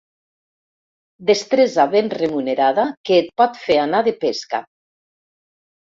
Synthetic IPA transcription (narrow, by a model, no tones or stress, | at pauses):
d̪est̪ɾezaβenremuneɾaðakeːt̪̚pɔt̪feanaðepeska̰